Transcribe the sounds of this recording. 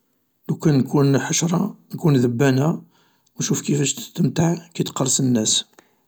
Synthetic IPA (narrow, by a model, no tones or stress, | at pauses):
lukːænːkunħəʃɾˤɑnkunðəbːænæ | wnʃufkifæʃt̪t̪ːəmt̪aʕkæjt̪qɑrˤsənːæs